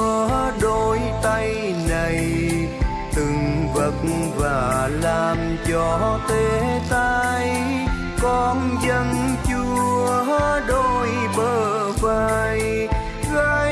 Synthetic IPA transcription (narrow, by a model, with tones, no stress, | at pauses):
ɗo˧jt̪a˧j | na˨˩j | t̪ɨ˨˩ŋvə˨˩t̚ | vaː˨˩laː˨˩m | t͡ɕɔ˧t̪e˧˦t̪a˧j | kɔ˧nzə˧nt͡ɕu˧əɗo˧˩jɓəː˧˩ | vaː˧j | ɣaː˧